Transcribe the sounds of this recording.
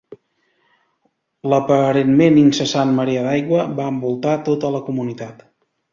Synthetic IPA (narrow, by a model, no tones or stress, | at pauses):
ləpəɾenmeninsəsanməɾiəðajɣwəβaəmbulˠt̪at̪ot̪ələkumunit̪at̪